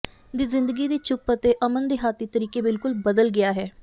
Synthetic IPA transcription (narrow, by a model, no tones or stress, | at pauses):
d̪iːzɪ̃nd̪əɡiːd̪iːt͡ʃʊpət̪eːʔəmənd̪eːɦaːt̪iːt̪əɾiːkeːbɪlkʊlbəd̪əlɡɪaːɦɛː